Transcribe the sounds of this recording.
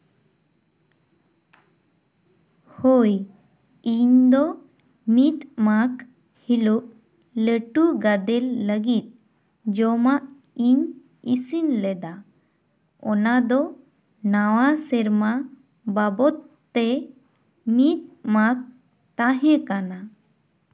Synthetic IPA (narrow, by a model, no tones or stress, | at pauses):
hoj | iɲd̪ɔ | mit̪mak | hiluʔ | ləʈuɡad̪ɛlːəɡit̪̚ | d͡ʒɔmaʔ | iɲ | isinlɛd̪a | ɔnad̪ɔ | nawasɛɾma | babɔt̪ːɛ | mit̪̚mak̚ | t̪ãɦɛ̃kana